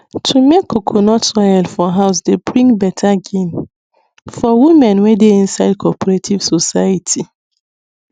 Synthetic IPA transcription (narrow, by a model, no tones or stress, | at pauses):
tʰumekːokʰonɔtaɛlfɔɦaʊs̬debɹĩŋbɛtʰaɡĩn | fɔwimɛ̃nwɛdeĩnsaɪd̚kʰɔpɔɾetʰivsosaatʰi